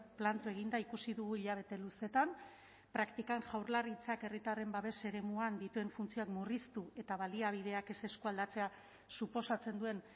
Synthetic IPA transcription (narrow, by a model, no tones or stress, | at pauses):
plant̪ue̞ɣ̞ind̪aikusiðuɣ̞uiʎaβ̞e̞t̪e̞luse̞t̪am | pɾakt̪ikanʝawɾlarit͡sake̞rit̪are̞mbaβe̞se̞ɾe̞muand̪it̪ue̞ɱfunt͡sio̞akmurist̪ue̞t̪aβaliaβ̞ið̞e̞ake̞se̞skuald̪at͡se̞a | supo̞sat͡se̞nd̪ue̞n